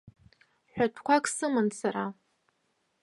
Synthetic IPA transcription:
ħʷᶣatʰkʷʰakʰʼsɨmɨnsaɾa

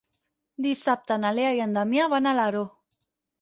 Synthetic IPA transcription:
d̪isap̚t̪analeajand̪amiaβanalaɾo

